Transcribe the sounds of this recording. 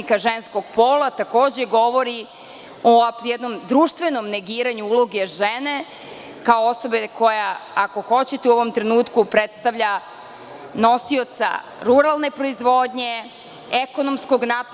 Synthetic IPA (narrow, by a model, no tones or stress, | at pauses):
ikaʒensko̞ɡ̥po̞ːlˠat̪ako̞ːd͡ʑeɡo̞ʋo̞ɾi | ojɛd̪no̞md̪ɾuːʃt̪ʋe̞no̞mne̞ɡiːɾaɲuulo̞ɡe̞ʒene̞ | kaooso̞beko̞jaako̞xo̞t͡ɕet̪euo̞ʋo̞mt̪ɾe̞nuːt̪kupɾet̪st̪aʋʎa | no̞sio̞t̪sa̰ | ɾuɾalˠne̞pɾo̞izʋo̞d̪ɲe̞ | eko̞nomsko̞ɡnaːp